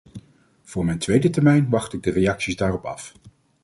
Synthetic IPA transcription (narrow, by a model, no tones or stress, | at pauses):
v̥ʊːɹmɛjntʋejdətɛɹmɛjnʋɑχtɪɡ̚dərejɑksizdaːrɔpɑ̰f